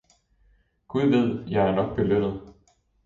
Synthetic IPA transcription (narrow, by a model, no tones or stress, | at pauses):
ɡ̥uðˠʋeð̰ˠjɑ̈ɪæɐnɒ̽ɡ̥̚b̥e̝lønð̩ˠ